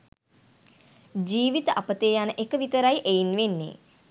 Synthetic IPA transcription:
d͡ʒiːʋit̪əʔapət̪eːjanəʔekəʋit̪əɾajʔeinʋenːḛ

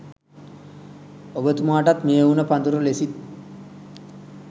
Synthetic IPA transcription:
obət̪umaːʈat̪mejunəpand̪uɾulesit̪̚

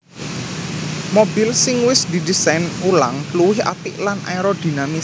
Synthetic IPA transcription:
mobilsɪŋwɪsd̪id̪isajnulaŋtluwɪhʔa̰t̪ɪʔlanʔa̰jɾɔd̪̥i̤nami

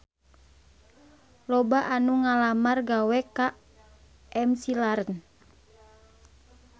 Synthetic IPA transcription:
lɔbaʔanuŋalamarɡawɛka | ʔɛmsilaɾən

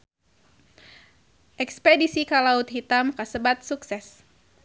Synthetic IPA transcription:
ʔɛkspedisikalaut̪̚ɦit̪amkasəbat̪̚suksɛs

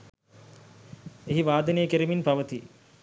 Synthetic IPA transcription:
eɦiʋaːd̪ɐnejəkeɾiminpaʋət̪i

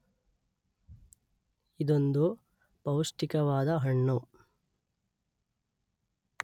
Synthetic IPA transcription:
id̪ond̪u | pɐwsʈikɐʋaːd̪ɐɦɐɳːɐ

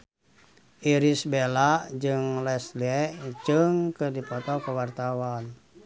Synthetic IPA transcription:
ʔiɾisbelaʔd͡ʒɨŋlɛsliɛʔd͡ʒɨŋkədipɔt̪ɔkəwart̪awan

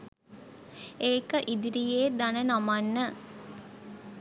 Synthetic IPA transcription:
eːkəʔid̪iɾijeːd̪anənamanːə

